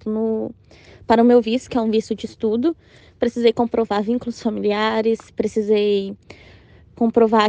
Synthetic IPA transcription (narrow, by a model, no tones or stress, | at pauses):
t̪ʊnʊ | paɾɐʊmewvisʊ̥kɪɛũvisʊd͡ʒɪːst̪ud̪ʊ | pɾesizejkõpɾʔovaɾvĩkʊlʊsfamiliaɾɪspɾesizej | kõpɾova